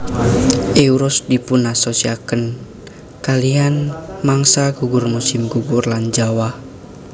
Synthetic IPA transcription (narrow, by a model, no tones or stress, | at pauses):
ʔɛuɾɔsdipunasosiakən | kalianmaŋsaɡuɡurmusɪmɡuɡurland͡ʒawah